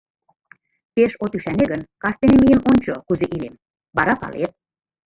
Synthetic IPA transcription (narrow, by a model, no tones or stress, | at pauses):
t̪eʃot̪yʃæneɣənkɑst̪enemijəmonʲt͡ɕokuzeʔilem | bɑɾɑpɑ̰lḛt̪̚